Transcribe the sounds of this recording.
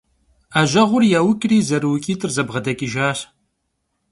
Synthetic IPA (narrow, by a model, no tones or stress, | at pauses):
aːʒɐʁʷʊrjaːwʊkʼriːzɐɾɨwʊkʲʼiːtʼɨrzɐbʁɐdɐkʼɪʒaːɕ